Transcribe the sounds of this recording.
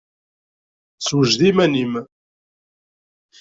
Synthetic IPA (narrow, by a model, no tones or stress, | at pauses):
swəʒðimænim